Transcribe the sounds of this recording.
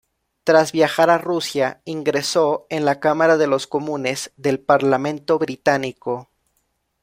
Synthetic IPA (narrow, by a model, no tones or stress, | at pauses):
t̪ɾazβjaxaɾarusjaiŋɡɾe̞so̞enlakamaɾaðe̞lo̞sko̞mũne̞z̥ðe̞lpaɾlamẽnt̪o̞βɾit̪aniko̞